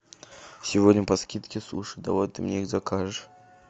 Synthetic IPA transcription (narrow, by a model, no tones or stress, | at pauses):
sʲɪvodʲnʲəpɐskʲit̪kʲɪsuʂɨd̪ɐ̰vot̪ːɨmnʲeixzakaʐɨʂ